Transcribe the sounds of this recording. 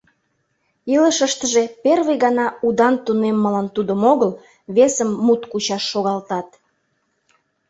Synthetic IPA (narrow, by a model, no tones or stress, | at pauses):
iləʃəʃt̪əʒeperβəjɣɑnɑud̪ɑnt̪unemːəlɑnt̪ud̪əmoɣəl | βesəmːut̪kut͡ɕɑʃːoɣɑlt̪ɑt̪̚